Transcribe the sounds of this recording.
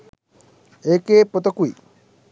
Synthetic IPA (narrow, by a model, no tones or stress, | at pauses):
eːkeːpot̪ɐkui